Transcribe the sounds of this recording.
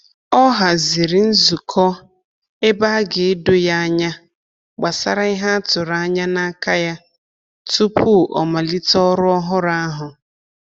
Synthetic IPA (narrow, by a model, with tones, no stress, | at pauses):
ɔ˦ɦa˨zi˨ɾi˨n̩˦zu˨kʰɔ˦ | e˦ba˦a˦ɡe˨e˦dʊ˦ja˦a˦ɲa˦ | ɡ͡ba˨sa˦ɾa˦i˦ɦa˦a˦tʊ˨ɾa˨a˦ɲa˦na˦ka˦ja˦ | tu˦pʰu˦ʔɔ̰˨ma˨li˦tɔ˦ɾʊ˦ɔ˦ɦʊ˦ɾa˦a˦ɦʊ˨